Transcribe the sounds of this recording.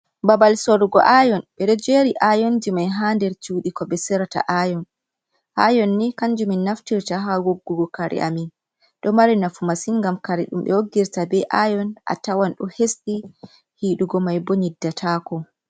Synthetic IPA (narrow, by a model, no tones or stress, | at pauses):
babalsoɾuɡɔ̰ʔajɔnɓɛɗɔd͡ʒeɾiʔajɔnd͡ʒimajɦandɛɾt͡ʃuɗikɔbɛsɛɾata̰ʔajɔn | ʔa̰jɔnːikaɲd͡ʒuminːaftiɾtaɦawoɡːuɡɔkaɾʔɛ̰ʔa̰min | ɗɔmaɾinafumasinŋɡamkaɾiɗṵmɓɛ̰woɡːiɾtabɛʔajɔnʔa̰tawanɗɔhesɗi | hiɗuɡɔmajbɔɲidːatʰaːkɔ